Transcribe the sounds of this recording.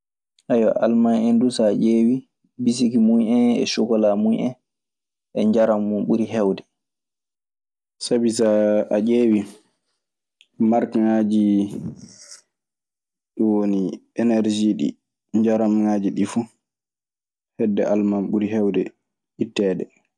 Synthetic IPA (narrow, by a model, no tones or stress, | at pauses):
ʔajwa̰ʔalmanɛndusaʔeːwi | bis̬ikimujɛnɛ̰ʃukɔlamujʔɛ̰n | ʔɛɲd͡ʒaɾamːunɓuɾiɦɛwdɛ | sabisaad͡ʒeːwi | maɾkaŋad͡ʒi | ɗɔwoniɛnɛɾd͡ʒiɗḭ | ɲd͡ʒaɾamŋad͡ʒiɗifu | hɛdːɛʔalmanɓuɾiɦɛwdɛ | ʔitːɛːdɛ